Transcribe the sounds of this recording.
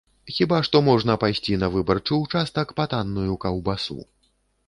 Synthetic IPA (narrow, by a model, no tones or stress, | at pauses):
xʲibaʂt̪ɔmɔʐn̪ɐpajsʲt͡sʲinɐvɨbɐrt͡ʂɨwt͡ʂast̪ɐkpat̪anːujukɐwbasṵ